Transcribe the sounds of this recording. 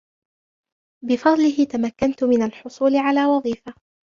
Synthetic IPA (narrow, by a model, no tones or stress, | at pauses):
bɪfɑd̪ˤlɪɦɪt̪amakːant̪ʊmɪnalħʊsˤuːlɪʕalaːwɑðˤiːfa